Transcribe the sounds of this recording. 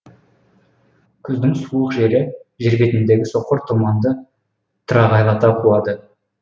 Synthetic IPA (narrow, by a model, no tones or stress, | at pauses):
kʲʰʏzd̪ɪŋsuəqʒe̞ɾɪʒeɾbʲe̞t̪ɪnd̪e̞ɡʲɪso̞qːəɾt̪ʰumɑnd̪ə | t̪ʰʊɾɑʁɑjlˠɑt̪ɑqʰulˠɑd̪ə